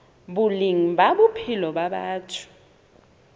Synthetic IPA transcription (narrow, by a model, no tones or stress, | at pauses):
ɓuliŋibaɓupʰilɔɓaɓaːtʰu̥